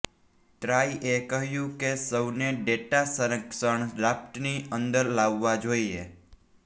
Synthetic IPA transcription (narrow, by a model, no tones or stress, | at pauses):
ʈ̪ɾaːiʔekəɦjũkesəbneɖeːʈasəɾəksəɳ̃ɾaːp̚ʈniə̃nd̪əɾlaːʋːad͡ʒoːieː